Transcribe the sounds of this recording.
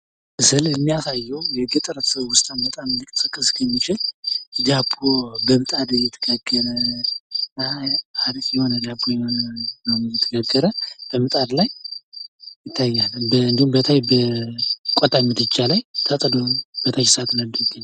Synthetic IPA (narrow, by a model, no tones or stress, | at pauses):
ʔɨsɨlɨmːijasajːɛwjɛɡət̪ʼɨɾət̪səβwʊst̪ʼanbət̪ʼamlɨkʼɨsɨkʼːɨskʰəmːit͡ʃɪld̪abobəmɨt̪ʼad̪ɨjɛt̪ʰəɡ̥aɡːəɾə | aɾkʼjɛho̞nəd̪abːojɛhonənəwɛjɛt̪ʰəɡaɡːəɾəb̥əmɨt̪ʼad̪laj | jɪt̪ʰːajːalːəbəɨnd̪ihumbət̪ʰajbə | kʷʼɔt̪ʼamːɨd̪ɨt͡ʃʼːalajt̪ʰət̪ʼd̪onb̥ət̪ʰajsat̪nələɡːɨn